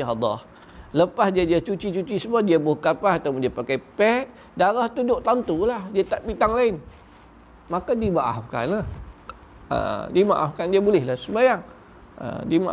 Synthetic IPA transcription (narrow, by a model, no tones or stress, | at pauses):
ɦad̪ɔ̰h | ləpasdiadiat͡ʃut͡ʃit͡ʃut͡ʃisəmuadiabʊhkapahat̪awpʊndiapakajpɛt̪̚ | daɾaht̪udʊʔt̪ant̪ulahdiat̪aʔpit̪aŋlaɪn | makadibaʔafka̰nah | ə̰dima̰ʔa̰fkandiabulɪhlahsəmajaŋ | ə̰dimaʔ